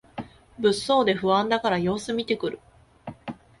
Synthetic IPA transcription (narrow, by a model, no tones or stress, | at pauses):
bɯ̟sːo̞ːd̪e̞ɸɯ̟βãnd̪akaɾajo̞ːsɨmʲit̪e̞kɯ̟ɾɯ̟